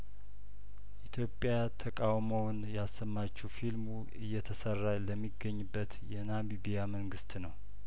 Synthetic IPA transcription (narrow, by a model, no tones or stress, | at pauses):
ʔit̪ʰjo̞pʼja | t̪ʰəkʼawmownjɛasːəmːat͡ʃːɛwfilmu | ɨjːɛt̪ʰəsərːaləmːiɡəɲːɨbːət̪jɛnamibijaməŋɡɨst̪nəw